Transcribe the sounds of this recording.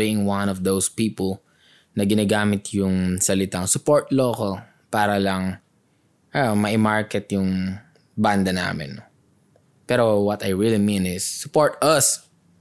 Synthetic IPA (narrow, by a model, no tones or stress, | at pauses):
biɪŋwãnɔfd̪owspiːpɐl | nɐɡɪnaːɡaːmɪt̪ʰjʊŋsɐlɪt̪aŋsʊpoɹt̪lokɐll | paːɾɐlɐŋ | ʔamɐʔɪmaɹkɛt̪jʊŋ | band̪ɐna̰ːmɪ̰nːo | pɛːɾowɐt̪ɐjɹilimĩnɪsːʊpoɹt̪ɐs